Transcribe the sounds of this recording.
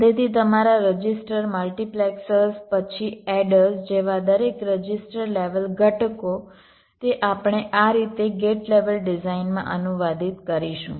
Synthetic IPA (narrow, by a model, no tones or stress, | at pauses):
t̪et̪ʰit̪̬əmaɾaɾəd͡ʒisʈəɾməlʈiplɛksəspət͡ʃʰiɛɖəsd͡ʒeʋad̪əɾekɾəd͡ʒɪsʈəɾleʋəlɡʱəʈko | t̪eʔapɳ̃eʔaɾit̪eɡeʈleʋəlɖizainmã̰ʔənuʋad̪it̪kəɾiʃṵ̃